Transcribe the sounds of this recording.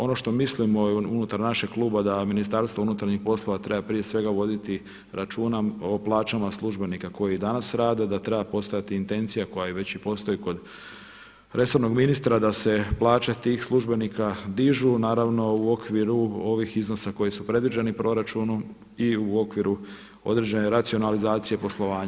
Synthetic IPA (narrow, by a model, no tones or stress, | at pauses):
o̞no̞ʃt̪o̞mislimo̞unut̪aɾnaʃe̞ɡklˠuːbad̪aminist̪aɾst̪ʋounut̪aɾɲixpo̞slˠo̞ʋat̪ɾe̞bapɾije̞sʋe̞ɡaʋo̞d̪it̪i | ɾat͡ʃuːnaoplˠaːt͡ʃamaslˠuʒbe̞nikako̞jid̪anasɾaːd̪e̞d̪at̪ɾe̞bapost̪o̞jat̪iːnt̪e̞nt̪sijako̞jaiʋe̞t͡ɕipo̞st̪o̞jiko̞d̪ | ɾe̞so̞ɾno̞ɡminist̪ɾad̪ase̞plˠaːt͡ʃet̪iːxslˠuʒbe̞nikad̪iʒunaːɾaʋno̞uo̞kʋiɾuo̞ʋixizno̞sako̞jisupɾe̞d̪ʋid͡ʑe̞nipɾo̞ɾat͡ʃunum | iuo̞kʋiɾu | o̞̰d̪ɾed͡ʑe̞ne̞ɾat̪sio̞nalizaːt̪sije̞po̞slˠo̞ʋaːɲa